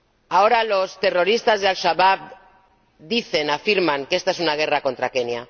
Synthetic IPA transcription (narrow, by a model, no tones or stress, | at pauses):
ao̞ɾalo̞st̪e̞ro̞ɾist̪azðealʃaβaβ̚ | d̪iθe̞nafiɾmaŋke̞st̪aesunaɣ̞e̞rako̞nt̪ɾakenja